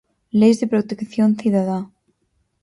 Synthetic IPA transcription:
lejzðepɾot̪ekθjonθiðaða

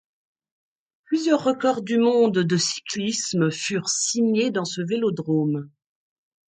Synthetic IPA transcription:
plyzjœʁːəkɔʁd̪ymɔ̃d̪d̪əsi̥klismfyʁsiɲed̪ɑ̃səvelod̪ʁom

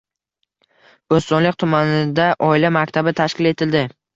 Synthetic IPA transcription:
ɡɵst̪ɒnlɪk̚ʲt̪ʰʊmanɪd̪aʔɒɪlamakʲt̪ʰabɪt̪ʰaʃkʲɪle̞t̪ʰɪld̪ɪ

